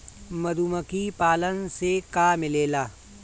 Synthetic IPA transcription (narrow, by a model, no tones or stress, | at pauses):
mɐd̪uːməkipaːlənsekaːmɪleːlaː